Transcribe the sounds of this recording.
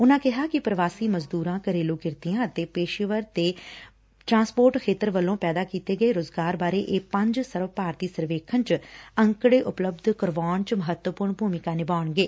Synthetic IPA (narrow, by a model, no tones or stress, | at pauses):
ʊnãːkɪɦaːkɪpɾəʋaːsiːməzd̪uːɾãːkəɾeːloːkɪɾt̪ijãːət̪eːpeːʃɪʋəɾt̪eː | ʈɾãːnspoːɾʈkʰeːt̪əɾʋəlːõːpɛːd̪aːkiːt̪eːɡəeːɾoːzɡaːɾbaːɾeːʔeːpə̃ɲd͡ʒsəɾʋpaːɾt̪iːsəɾʋeːkʰənt͡ʃə̃ŋkɽeːʔʊpləbd̪ʱkəɾʋaːɳt͡ʃməɦət̪wəpʊɾɳbʱuːmɪkãːnɪbaːɳɡeː